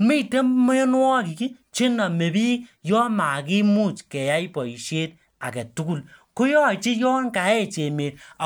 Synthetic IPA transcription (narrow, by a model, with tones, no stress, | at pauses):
mi˦˨te˦mmo˦o˦n˦wɔ˦˨ki˨ki˦ | t͡ʃe˦na˨me˨bi˦kjɔ˦ma˨ki˦mu˦˨t͡ʃkɛ˨ja˦i˦pɔ˨i˨ʃe˦t̚ | a̰˨kɛ˨tu˦ku˦˨lko˦jɔ˦˨t͡ʃi˦jɔ˦ŋka˨˦e˦˨t͡ʃe˨meː˨da˨